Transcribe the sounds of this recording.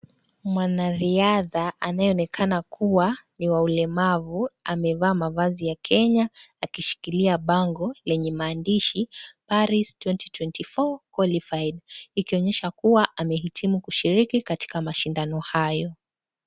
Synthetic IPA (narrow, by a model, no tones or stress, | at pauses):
mwanaɾiaðaʔanajɛɔnɛkʰanakʰuwaniwaulɛmavuamɛvaːmavazijakʰɛɲaakiʃi̥kiliaɓaŋɡɔlɛɲɛmaːndiʃipaɾistwɛntitwɛntifɔkwalifaidikiɔɲɛʃakuwaʔamɛɦitʰimukuʃiɾikikati̥kamaʃindanɔhajɔ